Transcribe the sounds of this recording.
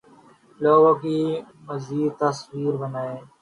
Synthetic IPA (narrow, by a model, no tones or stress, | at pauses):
loːɡõːkiː | məziːd̪̚t̪əsʋiːɾbənaːeː